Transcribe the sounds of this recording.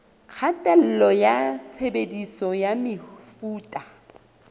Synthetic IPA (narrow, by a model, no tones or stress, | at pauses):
q͡χʰatʼɛl̩lɔjat͡sʰebedisɔjamɪfuːtʼa